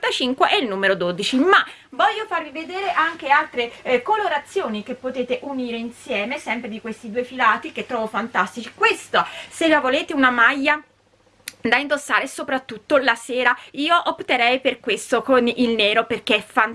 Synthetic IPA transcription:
t̪at͡ʃiŋkweʔɛilnuːmeɾod̪oːd̪it͡ʃimavɔʎːofarvived̪eːɾeʔaŋk̟ealt̪ɾekoloɾat̪sːjoːnik̟epːot̪eːt̪eʔuniːɾeinsjɛːmesɛmpɾed̪ikwest̪id̪uːefilaːt̪ik̟et̪ːɾɔːvofant̪ast̪it͡ʃi̥kwest̪oselːavoleːt̪eunamajːa | d̪aind̪osːaːɾesopɾat̪ːut̪ːolaseːɾaiːoʔopt̪eɾɛjperkwest̪okonilneːɾoperk̟eɛfan

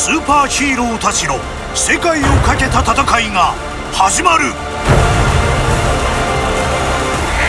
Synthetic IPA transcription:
sɨːpaːɕiːɾoːt̪at͡ɕino̞ | se̞kaio̞kake̞t̪at̪at̪akaiŋa | haʑimaɾɯ̟

